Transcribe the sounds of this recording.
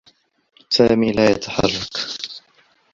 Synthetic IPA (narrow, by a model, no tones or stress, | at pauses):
saːmiːlaːjat̪ʰaħɑ̰rˤːɑk